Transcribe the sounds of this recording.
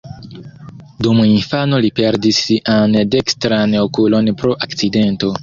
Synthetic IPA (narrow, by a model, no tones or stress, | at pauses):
dumuinfano̞lipe̞ɾdisande̞kstɾanokulo̞npɾo̞ʔakt͡side̞nto̞